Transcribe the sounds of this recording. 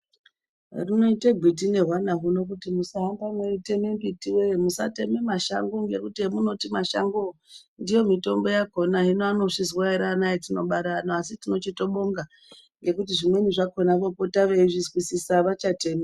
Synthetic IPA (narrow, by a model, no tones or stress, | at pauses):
rino̞iteɡʱwit̬ine̞ɦwanaɦuno̞k̬utimusaɦambamwe̞rite̞membitiwemusa̰te̞memaʃa̰ŋɡoŋɡe̞kutiemuno̞timaʃa̰ŋɡondijo̞mito̞mbo̞jako̞naɦinoano̞ʂizwaeɾanajetino̞̰ɓaɾanoasitino̞t͡ʃito̞ɓoŋɡa | ŋɡe̞kut̬iʐimwe̞niʐako̞nakopotaʋeiʐizwisisaʋat͡ʃateme